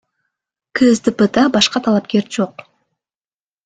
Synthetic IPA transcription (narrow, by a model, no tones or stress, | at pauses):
kʰɵzd̪ɨpət̪abɑʃqɑt̪ʰɑlˠɑp̚kʲe̞ɾd͡ʒoq